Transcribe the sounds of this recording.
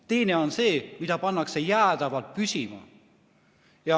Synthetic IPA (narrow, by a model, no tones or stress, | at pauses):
t̪e̞ineonseːmid̪ɑpɑnːɑksejæːd̪ɑʋɑlt̪̚pysʲimɑ̰ | jɑ